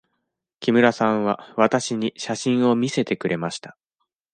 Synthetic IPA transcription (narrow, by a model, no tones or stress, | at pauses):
kʲimɯ̟ɾasãɰ̃βaβat̪aɕiɲ̟iɕaɕĩɰ̃o̞mʲise̞t̪e̞kɯ̟ɾe̞maɕi̥t̪ḁ